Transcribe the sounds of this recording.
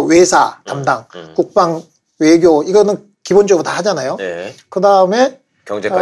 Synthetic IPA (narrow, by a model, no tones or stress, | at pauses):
we̞sʰatamdaŋkuk̚p͈aŋ | we̞ɡjoiɡʌnɯn | kibond͡ʑʌɡɯɾotahad͡ʑanajokɯdaɯme̞ | kjʌŋd͡ʑe